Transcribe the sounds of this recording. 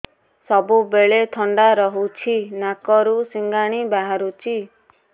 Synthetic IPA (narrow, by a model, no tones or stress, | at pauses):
sɔbubeɭet̪ʰɔɳɖaɾɔɦut͡ʃʰinakɔɾusiŋɡaɽ̃ibaɦaɾut͡ʃʰi